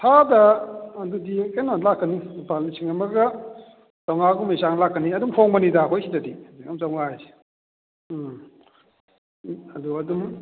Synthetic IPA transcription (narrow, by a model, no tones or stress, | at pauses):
tʰadɐɐdudienanlakːɐnipalisʰiŋamɐɡɐ | zawŋaɡumesaŋlakːɐniɐdumpʰoŋbɐnidakʰojsʰidadiziamzawŋaajsi̥ | ɐduɐdum